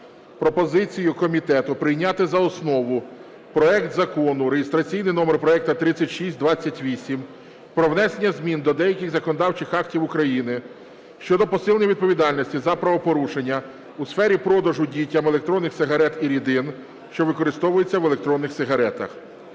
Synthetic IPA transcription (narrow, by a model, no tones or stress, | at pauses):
pɾɔpɔzɪt͡sʲijʊkɔmʲit̪ɛt̪ʊpɾɪjnʲat̪ɪzɐɔsnɔʋʊ | pɾɔɛkt̪zɐkɔnʊɾeɦɪst̪ɾɐt͡sʲijnɪjnɔmerpɾɔɛk̚t̪ɐt̪ɾɪt͡sʲːɐtʲʃisʲtʲd̪ʋɑt͡sʲːɐtʲʋʲisʲim | pɾɔwnɛsenʲːɐzʲmʲind̪ɔd̪ɛjɐkʲɪxzɐkɔnɔd̪ɑwt͡ʃɪxɑktʲiwʊkɾɐjinɪ | ʃt͡ʃɔd̪ɔpɔsɪlˠnʲiʋʲid̪̚pɔʋʲid̪ɑlʲnʲɔsʲtʲizɐpɾɐʋɔpɔɾuʃenʲːɐ | usfɛɾʲipɾɔd̪ɐʒʊdʲijtʲːɐmelˠekt̪ɾɔnːɪxsɪɦɐɾɛt̪iɾʲid̪ɪn | ʃt͡ʃɔʋɪkɔɾɪst̪ɔʋʊjet͡sʲːɐʋelˠekt̪ɾɔnːɪxsɪɦɐɾɛt̪ɐ̰x